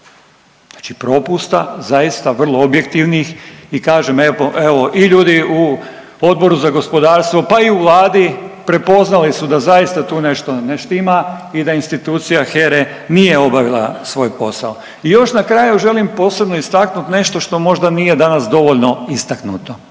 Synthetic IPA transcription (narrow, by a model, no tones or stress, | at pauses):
ḁt͡ʃipɾo̞pust̪azajist̪aʋr̩lˠoobje̞kt̪iʋnixikaːʒemeoʔeʋo̞ʔiʎuːd̪iu | o̞d̪̚bo̞ɾuzaɡo̞spod̪aːɾst̪ʋo̞paiuʋlˠaːd̪ipɾe̞po̞znalisud̪azaist̪at̪uːne̞ʃt̪oneʃt̪imaid̪ainst̪it̪uːt̪sijaxeɾe | nije̞o̞baʋilˠa̰sʋo̞ːjpo̞sa̰o | ijo̞ʃnakɾajuʒe̞limpo̞ːse̞bnoist̪aknut̪ne̞ʃt̪o̞ʃt̪o̞mo̞ʒd̪anije̞d̪anasd̪o̞ʋo̞ʎno̞ist̪aknut̪o